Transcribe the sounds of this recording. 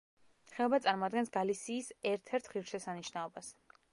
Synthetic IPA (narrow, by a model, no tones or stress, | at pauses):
χɛlɔbat̪sʼaɾmɔad̪̚ɡɛnsɡalisiːsɛɾt̪ʰɛɾt̪ʰχiɾʃɛsaniʃnaɔbas